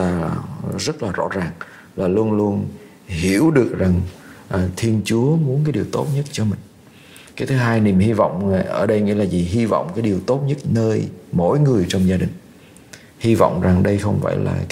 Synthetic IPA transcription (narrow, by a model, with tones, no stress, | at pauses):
aː˧˩zə˦˥t̚laː˨˩zɔ̰˧˥zaː˨˩ŋ | laː˨˩lu˧ənlu˧ən | hi˧˩əwɗɨ˨˩ək̚za˨˩ŋʔːt̪ʰi˧ənt͡ɕu˨˦əmu˨˦ənkaː˨˦jɗi˨˩əwt̪o̰˦˥t̚ɲə˦˥t̚t͡ɕɔ˧mï˨˩ŋ̟ | kaː˨˦jt̪ʰɨ˨˦ɦaː˧jni˨˩əmhi˧vɔ̰˧˨wŋ͡mʔəː˧˩ɗə˧jŋḭ˧˥laː˨˩zi˨˩ɦi˧vɔ̰˧˨wŋ͡mkaː˨˦jɗi˨˩əwt̪o˦˥t̚ɲə˦˥t̚nəː˧jmo̰˧˨jŋɨ˨˩əjt͡ɕɔ˧wŋ͡mzaː˧ɗï˨˩ŋ̟ | hi˧vɔ̰˧˨wŋ͡mza˨˩ŋɗə˧jxə˧wŋ͡mva̰˧˨jla̰ː˨˩